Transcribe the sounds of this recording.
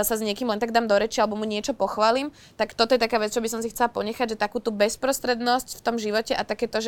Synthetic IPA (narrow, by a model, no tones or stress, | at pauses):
sazɲɪɛkiːmlɛnt̪aɡd̪aːmd̪ɔɾɛt͡ʃialɛbɔmuɲɪɛt͡ʃɔpɔxʋaːlim | t̪akt̪ɔt̪ɔjɛt̪akaːʋɛt͡st͡ʃɔbisɔmsixt͡sɛlapɔɲɛxaɟʒɛt̪akuːt̪ubɛspɾɔst̪ɾɛd̪nɔscft̪ɔmʒiʋɔcɛʔat̪akɛːt̪ɔʒɛ